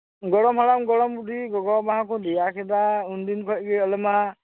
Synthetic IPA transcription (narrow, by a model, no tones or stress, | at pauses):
ɡɔɹɔmhalamɡɔɹɔmbudiɡɔɡɔbaɦakʰɔdijakʰɛdaundinkʰɔjɡɛɔlɛma